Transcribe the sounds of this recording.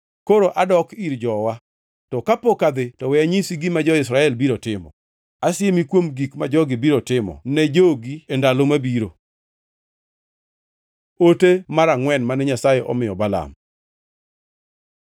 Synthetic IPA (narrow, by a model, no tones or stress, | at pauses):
koɾoʔadɔkiɾd͡ʒɔwa | tɔkapokad̪ɪtɔwɛaɲisiɡimad͡ʒɔɪsɾaɛlbiɾotɪmɔ̰ | asɪemikwomɡikmad͡ʒɔɡɪbiɾotɪmɔ̰nɛd͡ʒoɡiendalomabiɾo | otemaɾaŋwɛnmanɛɲasajeʔɔmɪjɔbala̰m